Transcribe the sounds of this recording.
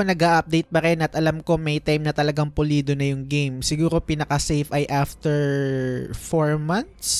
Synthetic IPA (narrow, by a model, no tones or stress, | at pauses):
nɐɡaʔɐp̚d̪ejt̪̚pɐɾɛnʔɐt̪ʔɐlɐmko̞mɐjt̪ajmnɐt̪ɐlɐɡaŋpʊliːd̪onɐjʊŋɡejmsɪɡuːɾo̞pinɐkɐsɛjfɐjʔaft̪ɛɹ | foɹmɐnt̪s